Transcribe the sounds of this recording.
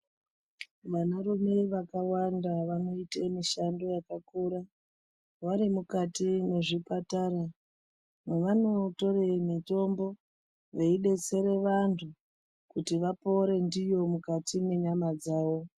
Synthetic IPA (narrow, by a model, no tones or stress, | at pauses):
ʋanarume̞ʋakawandaʋano̞itemiʃando̞jakakuɾa | ʋaɾimukatine̞ʐipataːɾa | meʋano̞to̞remito̞mbo̞ | ʋeiɗe̞t͡se̞ɾe̞ʋantʰu | kutiʋapo̞ɾe̞ndijo̞mukatime̞ɲamad͡zaːʋo̞